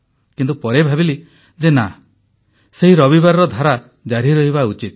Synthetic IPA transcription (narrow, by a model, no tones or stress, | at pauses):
kint̪upɔɾebʱabili | d͡ʒena | seɦiɾɔbibaɾɔɾɔd̪ʱaɾa | d͡ʒaɾiɾɔɦiβaut͡ʃit̪